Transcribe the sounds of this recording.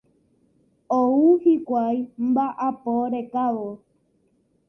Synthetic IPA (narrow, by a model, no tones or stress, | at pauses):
ouhikʷajmbaʔapoɾekaʋo